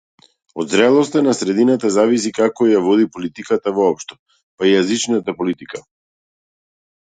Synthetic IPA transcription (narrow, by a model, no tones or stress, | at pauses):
ɔd̪zɾɛlˠɔst̪anasɾɛd̪inat̪azavis̬ikakɔjavɔd̪ipɔlit̪ikat̪avɔɔpʃt̪ɔ̥ | paijazit͡ʃnat̪apɔlit̪ika